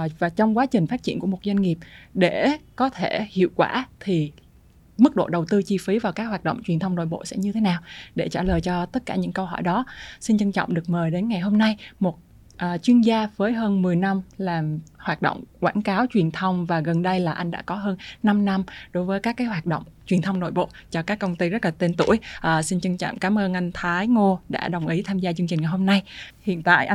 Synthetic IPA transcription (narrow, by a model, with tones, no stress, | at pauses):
vaː˨˩t͡ɕɔ˧wŋ͡mkwaː˨˦t͡ɕï˨˩ŋ̟faː˦˥t̚t͡ɕḭ˧˩əku˧˩əmo˨˩t̚za˧jŋŋi˨˩əp̚ɗe˧˩˨kɔ˨˦t̪ʰe˧˩hḭ˧˨əwkwaː˧˩t̪ʰi˨˩ | mɨ˦˥k̚ɗo̰˧˨ɗə˨˩wt̪ɨ˧t͡ɕi˧fi˨˦vaː˨˩wkaː˦˥k̚hwaː˨˩t̚ɗə̰˧˨wŋ͡mt͡ɕwi˨˩ənt̪ʰə˧wŋ͡mno̰˧˨jɓo̰˧˨sɛ̰˧˥ɲɨ˧t̪ʰe˨˦naː˨˩wɗe˧˩t͡ɕaː˧˩ləː˨˩jt͡ɕɔ˧t̪ə˦˥t̚kaː˧˩ɲɨ̰˧˥ŋkə˧wɦɔ̰˧˩jɗɔ˨˦si˧nt͡ɕə˧ŋt͡ɕɔ̰˧˨wŋ͡mɗɨ˨˩ək̚məː˨˩jɗe˨˦nŋa˨˩jɦo˧mna˧jmo˨˩t̚ | ʔːt͡ɕwi˧ənzaː˧vəː˨˦jɦəː˧nmɨ˨˩əjna˧mlaː˨˩mhwaː˨˩t̚ɗo̰˧˨ŋ͡mkwaː˧˩nkaː˨˦wt͡ɕwi˨˩ənt̪ʰə˧wŋ͡mvaː˨˩ɣə˨˩nɗə˧jlaː˨˩ʔa˧ŋ̟ɗa̰ː˧˥kɔ˨˦ɦəː˧nːa˧mna˧mɗo˨˦jvəː˨˦jkaː˦˥kːaː˨˦jɦwaː˨˩t̚ɗo̰˧˨wŋ͡mt͡ɕwi˨˩ənt̪ʰə˧wŋ͡mno̰˧˨jɓo̰˧˨t͡ɕɔ˧kaː˦˥kːə˧wŋ͡mt̪i˧zə˦˥t̚laː˨˩t̪e˧nt̪ṵ˧˩əjʔəː˨˩si˧nt͡ɕə˧ŋt͡ɕɔ̰˧˨wŋ͡mkaː˨˦mʔəː˧nʔa˧jŋ̟t̪ʰaː˨˦jŋo˧ɗa̰ː˧˥ɗə˨˩wŋ͡mʔi˨˦t̪ʰaː˧mzaː˧t͡ɕɨ˧ŋt͡ɕï˨˩ŋ̟ŋa˨˩ɦho˧mna˧jhḭ˧˨ənt̪a̰ː˧˨jʔ